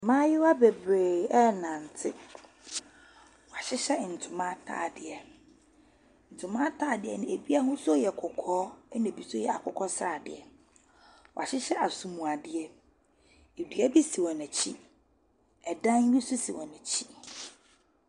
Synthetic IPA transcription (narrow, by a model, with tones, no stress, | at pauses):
mã˦jɪ˦wa˦be˨bɾe˨ɛ˦nã˨n̩˨tʰɪ˦ | wɔ˨a˨ɕɪ˦ɕɛ˦˨n̩˨tʰʊ˨mã˦tʰa̰ː˦˨dɪ˨ɛ˨ | n̩˨tʰʊ̃˨mã˦tʰaː˦˨dɪ˨ɛ̰˨nã˨e˨bi˦a˦ɦʊ̃˦sɔ˦jɛ˨kʰʊ˨kʰɔː˦nʊ̃˨bi˨sɔ˦jɛ˨a˨kʰʊ˨kʰɔ˦sɾa˨dɪ̰˨ɛ˨ | wɔ˨a˨ɕɪ˦ɕɛ˦ʔa˨su˨mũ˨a˨dɪ˨ɛ˦ | e˨dɥa˦bi˦si˨wɔ̃˨næ̃˨t͡ɕʰi˦ | ɛ˨dã˦n˦ɲĩ˦su˦si˨wɔ̃˨næ̃˨t͡ɕʰi˦